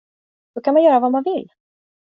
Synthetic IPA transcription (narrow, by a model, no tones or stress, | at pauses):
d̪̥ɔkʰanmanjœːɾavamanvɪlː